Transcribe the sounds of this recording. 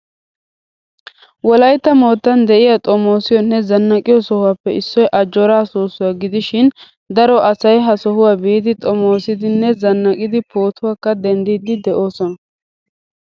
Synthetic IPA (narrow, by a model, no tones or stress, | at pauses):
wɔlɐjt̪ːɐmo̞ːt̪ːɐnd̪ɛʔɪjat̪ʼɔmo̞ːsɪjɔnːɛzɐnːɐkʼɪjɔsɔhʊwaːpːɛʔɪsːɔjʔɐd͡ʒːɔɾaːsuːsʊwaːɡɪd̪ɪʃɪn | d̪ɐɾɔʔɐsɐjɦɐsɔhʊwaːbiːd̪ɪt̪ʼɔmo̞ːsɪd̪ɪnːɛzɐnːɐkʼɪd̪ɪpo̞ːt̪ʰʊwaːkːɐd̪ɛnd̪iːd̪ɪd̪ɛʔo̞ːsɔnɐ